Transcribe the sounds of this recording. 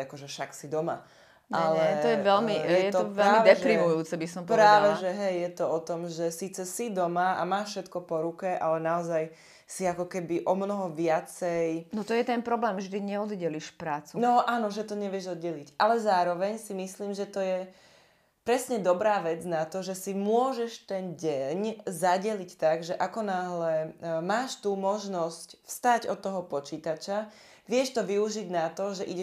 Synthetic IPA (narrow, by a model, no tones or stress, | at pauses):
akɔʒɛʃaksid̪ɔma̰ | ɲaɛlɛt̪ɔjɛʋɛlmiɛjɛt̪ɔʋɛlamid̪ɛpɾimujuːt͡sɛbisɔmpɔɾɛaːaʋɛʒɛɦɛjːɛt̪ɔɔt̪ɔmʒɛsiːt͡sɛsid̪ɔmaa̰maːfʃɛt̪kɔpɔɾukɛʔalɛnaɔzaj | siakɔkɛbiʔɔmnɔɦɔʋɪat͡sɛjnɔt̪ɔjɛt̪ɛnpɾɔblɛːmʒd̪iɲɛɔd̪ɟɛliʃpɾaːt͡sunɔʔanɔʒɛt̪ɔɲɛʋɪɛʒɔd̪ɟɛlicalɛzaːɾɔʋɛɲsimisliːmʒɛt̪ɔjɛ | pɾɛsɲɛd̪ɔbɾaːʋɛd͡znat̪ɔʒɛsimʊɔʒɛʃt̪ɛnɟɛɲzaɟɛlict̪aɡʒɛʔakɔnaɦlɛmaːʃt̪umɔʒnɔscfst̪aɟɔ̰t̪ːɔɦɔpɔt͡ʃiːt̪at͡ʃa | ʋɪɛʃt̪ɔʋiuʒiɟnat̪ɔʒɛʔiɟɛ